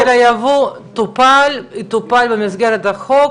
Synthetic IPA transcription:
ɾajavut̪upalit̪upalbemizɡeɾet̪aχo

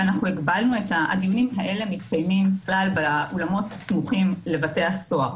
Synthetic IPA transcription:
anaχnuiɡbalnue̞thaʔa̰d̪ijunimɦaʔe̞le̞mitkajmimblalbeʔolamo̞tsmuχimle̞vate̞jaso̞a

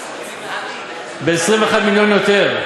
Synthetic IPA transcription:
beesʁĩmveːχad̪miljonjot̪e̞ʁ

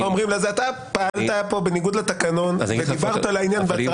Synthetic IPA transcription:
omʁimlezeat̪apaalt̪apo̞beniɡud̪lat̪akano̞nveibaʁalainjanbea

